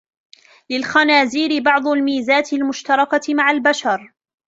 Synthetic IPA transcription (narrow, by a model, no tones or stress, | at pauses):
lɪlxanaːziːɾɪbɑʕd̪ˤʊlmiːzaːt̪ɪlmʊʃt̪ɑɾˤɑkamaʕalbaʃɑɾˤ